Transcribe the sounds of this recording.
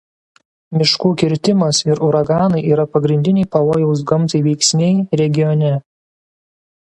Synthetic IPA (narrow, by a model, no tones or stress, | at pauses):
mʲɪʃkuːkʲɪɾʲt̪ʲɪmɐsɪɾʊɾɐɡɑːnɐɪʔiːɾɐpɐɡɾʲɪnʲd̪ʲɪnʲɛɪpɐʋoːjɛʊs̬ɡɐmˑt̪ɐɪʋʲɛɪksʲnʲɛɪɾʲɛɡʲɪjɔnʲɛ